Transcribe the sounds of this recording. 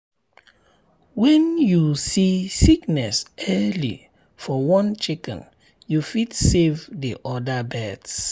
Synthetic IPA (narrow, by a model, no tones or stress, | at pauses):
wɛ̃njusisiknɛsɛlḭ | fɔwɔ̃nt͡ʃikɛ̰̃n | jufitsevdiʔɔdəbɛds